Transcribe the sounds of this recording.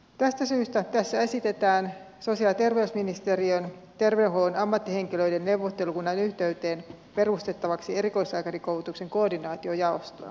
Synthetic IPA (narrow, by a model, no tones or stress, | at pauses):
t̪æst̪æsyːst̪æt̪æsːæesit̪e̞t̪æːn | so̞siɑlt̪e̞rʋeysminist̪eriont̪erʋeuɦoːnɑmːɑt̪ːiheŋkiløidenːewʋːot̪ːe̞lukunːɑinyht̪e̞yt̪e̞ːn | pe̞rust̪e̞t̪ːɑʋɑksie̞ɾiko̞isɑːkɑrikoulut̪ukse̞ŋko̞ːrdinɑːt̪io̞jɑost̪oɑ̰